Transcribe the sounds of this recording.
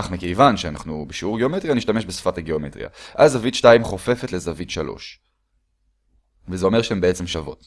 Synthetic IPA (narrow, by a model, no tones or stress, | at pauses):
aχmekejvanʃeana̰χnubeʃiuʁɡeo̞metʁijaniʃtame̞ʃbesfataɡeomḛtʁḭa̰ʔazːavitʃtaimχo̞fe̞fetle̞zavit̪ʃalo̰ʃ | vezeo̞me̞ʁʃeembeet͡semʃavo̞̰t